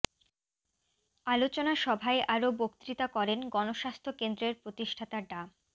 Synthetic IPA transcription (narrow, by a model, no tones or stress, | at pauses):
alot͡ɕonaʃɔbʱaeʔaɾobokt̪ɾit̪akɔɾenɡɔnoʃast̪ʰokend̪ɾeɾpɾot̪iʃʈʰat̪aɖa